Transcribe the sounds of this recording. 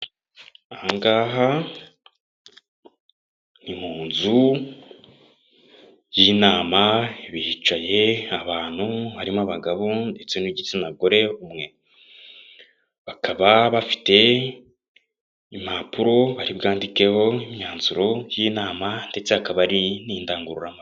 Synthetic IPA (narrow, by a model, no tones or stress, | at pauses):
aŋɡaːɦa | nim̥huːnzu | jinaːmaiβihit͡ʃaje̞aβaːn̥huβaɾimaβaɡaβo̞nde̞t͡se̞niɟit͡sinaɡo̞ɾe̞umŋe̞ | βakʰaβaβafi̥te̞ | imapuɾo̞βaɾibɡaːndike̞ho̞imɲaːnzuɾo̞jinaːmande̞t͡se̞hakaβaɾiniːndaːŋɡuɾuɾama